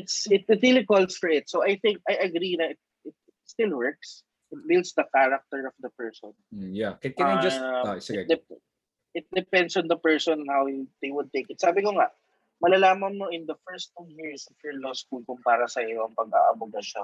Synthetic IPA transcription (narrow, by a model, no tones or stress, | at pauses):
ɪt̪sɪt̪̚ɪt̪ɹilikɔlsfɔɹɪt̪sowʔajθɪ̃ŋk̚ʔɐjʔɐɡɾinɐʔɪt̪̚ | ɪt̪̚ɪt̪st̪ɪlwɛɹk̚s | ɪt̪̚bɪldsd̪ɐkaɹɐk̚t̪ɛɹɔfd̪ɐpɛɹsɔn̩jakkɛjd͡ʒɐsɪd̪ɛp | ʔɪt̪̚d̪ɛpɛ̃nd̪sɔnd̪ɐpɛɹsɔnɔnhawd̪ejwʊd̪̚t̪ejkɪt̪̚saːbɪkoŋaʔ | mɐlɐlaːmɐŋmoʔɪnd̪ɐfɛɹst̪ːujɪɹsɔvjɔɹlɔskʊlkʊmpaːɾɐsɐjoɐŋpɐɡa̰ʔɐ̰bʊɡɐʃo̰n